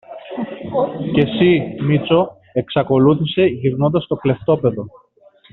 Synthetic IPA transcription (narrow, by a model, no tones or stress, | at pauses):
ce̞simit͡so̞ | e̞ksɐko̞luθise̞ʝiɾno̞nd̪ɐst̪o̞kle̞ft̪o̞pe̞ðo̞